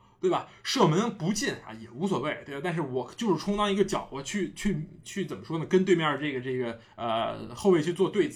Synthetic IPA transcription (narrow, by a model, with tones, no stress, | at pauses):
t̪we˥˩ɪbɐ˩ʂɤ˥˩mə˧˥npu˧˥t͡ɕi˥˩na̰˧˩jɛ˨˩u˧˥s̬wɔ˨˩we˥˩ɪt̪e˥˩ba˩˧t̪a˥˧ʂɻ̩˥˩wɔ˨˩t͡ɕjo˥˧ʊʂɻ̩˥˩ʈ͡ʂʰʊ˥ŋt̪ɑ˥ŋi˧˥ɡə˧t͡ɕjɑ˨˩ʊɔ˧˥t͡ɕʰy˥˧t͡ɕʰy˥˩t͡ɕʰy˥˩t͡sə˨˩nmə˦ʂwɔ˥nə˨kə˥nt̪we˥˧mjɑ˥˩ʈ͡ʂɤ˥˩ɡə˩ʈ͡ʂɤ˥˩ɡə˩ | ə̰˧xo˥˧ʊwe˥˧ɪt͡ɕʰy˥˧t͡swɔ˥˧t̪we˥˩ɪd͡zɹ̩˨˩